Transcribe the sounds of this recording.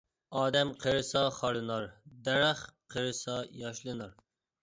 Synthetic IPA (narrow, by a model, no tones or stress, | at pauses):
ɑːd̪ɛmqʰəɾɨsɑχɑɾɨnɑɾd̪ɛɾæχqʰəɾɨsɑjɑʃlˠɨnɑɾ